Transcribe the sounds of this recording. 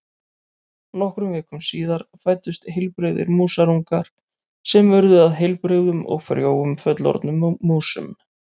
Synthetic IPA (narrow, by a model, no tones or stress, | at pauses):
nɔhkɾʏmvɛːkʏmsiːðaɾfaːjt̪ʏst̪ɦɪjlpɾɪɣðɪ̰ɾmuːsaɾuŋkaɾ̥ | sɛmœɾðʏaðɦɪjlpɾɪɣðʏmɔ̰ɣfɛɾjoːwʏmfœt̪lɔ̰ɾt̪nʏmːuːsʏ̰m